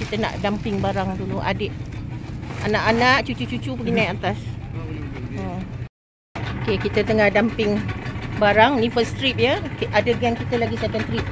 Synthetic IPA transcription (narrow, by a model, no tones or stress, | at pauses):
kit̪əna̰ʔdampɪŋbaɾaŋduluʔa̰dəʔ̚ | anaʔanaʔt͡ʃut͡ʃut͡ʃut͡ʃupəɡinajat̪as | ə | okekit̪ət̪əŋahdampɪŋbaɾaŋnĩfəst̪ɾip̚jəʔadəɡɛŋkit̪əlaɡisɛkɛnt̪ɾip̚